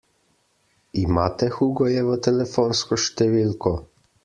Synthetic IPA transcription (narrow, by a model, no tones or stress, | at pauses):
imat̪ɛxuɡɔjɛvət̪ɛlɛfɔnskɔʃt̪ɛvilkɔ